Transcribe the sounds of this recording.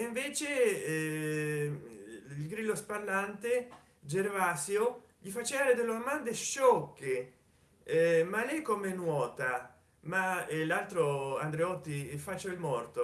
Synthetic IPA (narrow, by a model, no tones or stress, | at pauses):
iɱveːt͡ʃe | ilɡɾiːlːosparlant̪e | d͡ʒervasjo | ʎifat͡ʃːeaɾed̪elːoamand̪eʃɔkːe | malɛjkomenwɔːt̪a | maelalt̪ɾoa̰nd̪ɾeɔt̪ːifat͡ʃːoilmɔrt̪o